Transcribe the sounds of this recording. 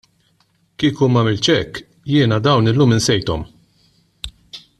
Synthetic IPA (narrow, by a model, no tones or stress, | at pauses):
kiːkuːmɐmɪlt͡ʃɛkː | jɪːnɐd̪ɐwnɪlːuːmɪnsɛjt̪ɔm